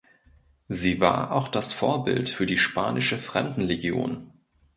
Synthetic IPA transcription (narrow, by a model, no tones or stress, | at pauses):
ziːva̰ːɐʔa̰ʊxd̥asfo̰ːɐbɪ̰ltfyːɐdiːʃpʰa̰ːnɪʃəfʁ̥ɛ̰mdn̩leɡjo̰ːn